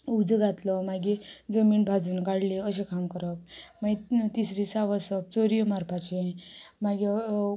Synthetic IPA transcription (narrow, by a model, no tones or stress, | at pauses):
ud͡zəɡʱat̪lɔmaɡid͡zəmiːnbʱad͡zuːnkaɽliəɕekʰamkəɾɔk̚mait̪isɾisaʋəsəp̚t͡soɾijomaɾpʰat͡ɕemaɡe